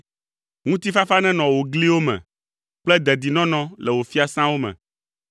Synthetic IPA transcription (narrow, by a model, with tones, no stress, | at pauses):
ŋũ˦t̪i˦fa˦fa˦nɛ̃˦nɔ̃˨wo˨ɡli˦wo˦mɛ̰̃˨ | k͡plɛ˦d̪ɛ˨d̪i˨nɔ̃˦nɔ̃˦lɛ˨wo˨fi˦a˨sã˦wo˦mɛ̰̃˨